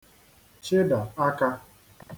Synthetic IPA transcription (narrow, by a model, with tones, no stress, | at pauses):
t͡ʃɪ˦da˨a˦ka˦